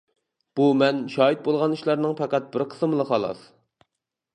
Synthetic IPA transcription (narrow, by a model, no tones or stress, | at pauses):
b̥umɛnʃɑːɦit̪̚bolˠʁɑnyʃlˠɑɾnɨŋpɑqæt̪̚bɪɾqʰə̥smlˠəχɑlˠɑ̰s